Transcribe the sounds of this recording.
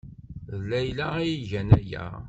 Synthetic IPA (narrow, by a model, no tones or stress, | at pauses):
ðlːæjlææjiʝænæjæ̰